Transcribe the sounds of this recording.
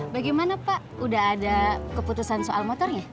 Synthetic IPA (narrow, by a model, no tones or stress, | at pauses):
baɡimanapaʔudaɦːdakəput̪usansoʔalmot̪ɔrɲa